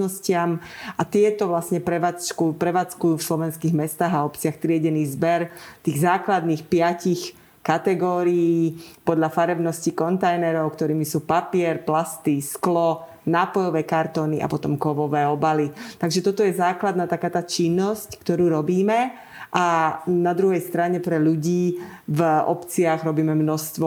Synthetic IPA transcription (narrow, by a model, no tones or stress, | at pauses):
nɔscɪamʔat̪ɪɛt̪ɔʋlasɲɛpɾɛʋat͡st͡ʃkupɾɛʋaːt͡skujuːfslɔʋɛnskiːɣmɛst̪aːɦaɔpt͡sɪaxt̪ɾɪɛɟɛniːzbɛɾt̪iːɣzaːklad̪niːxpɪacix | kat̪ɛɡɔːɾijiːpɔd̪ʎafaɾɛbnɔscikɔnt̪ajnɛɾɔʊkt̪ɔɾiːmisuːpapɪɛɾplast̪isklɔ | naːpɔjɔʋɛːkaɾt̪ɔːnḭʔa̰pɔt̪ɔmkɔʋɔʋɛːɔbalit̪aɡʒɛt̪ɔt̪ɔjɛzaːklad̪naːt̪akaːt̪aːt͡ʃinːɔsckt̪ɔɾuːɾɔbiːmɛ | ʔanad̪ɾuɦɛjst̪ɾaɲɛpɾɛʎuɟiːvɔ̰pt͡sɪaɣɾɔbiːmɛmnɔst̪ʋɔ